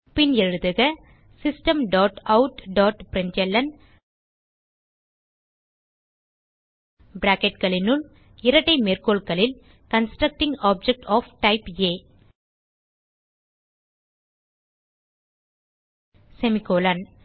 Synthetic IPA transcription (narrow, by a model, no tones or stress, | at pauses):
pɪnɛɻɯðɯɣɐ | sɪsʈɐmɖaːʈɐʊʈɖaːʈpɪɾɪnd͡ʒɛlːɐn | bɪɾaːkɛʈkɐɭɪnʊɭ | ɪɾɐʈːɐɪmeːrkoːɭkɐɭɪl | kɐnsʈɾɐk̚ʈɪ̃ŋɡaːp̚d͡ʒɛk̚ʈʰɔːfʈɐɪpeː | sɛmɪkoːlɐn